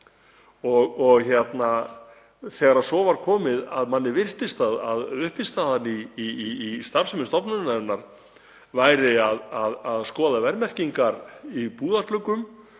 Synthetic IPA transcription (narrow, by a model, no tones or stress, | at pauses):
ɔɣɔɣçjɛt̪na | θɛːɣaɾaðsɔːvaɾ̥kʰɔːmɪðaðmanːɪvɪr̥t̪ɪst̪aðaðʏhpɪst̪aðanːiː | st̪aɾ̥sʏmɪst̪ɔpnanɛnaɾ̥ | vaːjɾɪaðaðaðskɔːðavɛɾmɛr̥ciŋkaɾipuːðart̪lʏkʏm